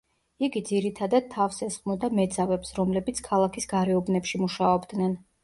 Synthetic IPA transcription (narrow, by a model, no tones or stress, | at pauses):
iɡid̪ziɾit̪ʰad̪ad̪̚t̪ʰːafsɛsχmɔd̪amɛd̪zavɛpsɾɔmlɛbit̪sʰkʰalˠakʰisɡaɾɛɔbnɛpʃimuʃaɔbd̪nɛn